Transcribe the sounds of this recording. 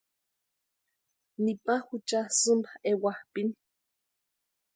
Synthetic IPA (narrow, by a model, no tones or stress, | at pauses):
nipahut͡ʃasɨmbaewahpini̥